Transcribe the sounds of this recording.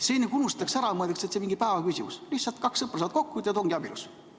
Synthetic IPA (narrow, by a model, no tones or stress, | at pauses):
senːekunust̪t̪ːɑksæɾɑmɤd̪ekset̪semiŋɡ̥ipæevɑkysimuslihtsɑlt̪̚kɑksːɤprɑsɑːt̪̚ko̞kːuit̪ːɑt̪oŋɡ̥iɑbilus